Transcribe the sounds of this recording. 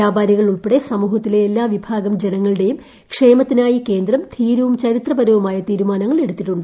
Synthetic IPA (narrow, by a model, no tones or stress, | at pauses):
jaːbaːɾjɐɣɐɭuɭpeɽe̞sɐmuːɦɐt̪ːileːlːaːʋibʱaːɡɐmd͡ʑenɐŋːɐɭɨɽe̞jum | kʂe̞ːmɐt̪ːinaːjike̞ːnd̪rɐmt̪ʰiːɾuʋumt͡ɕɐɾit̪rɐbɐɾuʋumaːjɐt̪iːɾumaːnɐŋːɐɭe̞ɽut̪ːiʈːuɳɖɨ